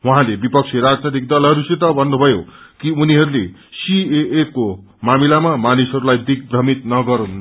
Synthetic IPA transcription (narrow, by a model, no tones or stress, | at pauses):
wuɦãlebipʌk̚t͡sʰeɾad͡znʌt̪̬ik̚d̪ʌlʌɾuset̪ʌbʱʌnːubʱʌjokiuniɦʌɾulesieʔeko | mamilamamanisɦʌɾulajd̪ik̚brʌmit̪nʌɡʌɾun